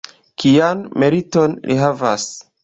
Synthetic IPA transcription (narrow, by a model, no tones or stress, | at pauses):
kijanmeɾito̞nlʔiɦava̰s